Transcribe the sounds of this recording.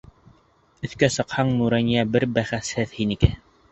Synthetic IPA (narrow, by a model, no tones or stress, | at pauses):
ɵ̆θkæsɤ̆qhɑɴmuɾænijæbɘɾbæχæshɘðhinikɘ